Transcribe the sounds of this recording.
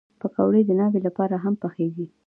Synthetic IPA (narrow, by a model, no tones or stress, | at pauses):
pəkawɽed̪ənɑwelapɑɾaɦampaxeɡi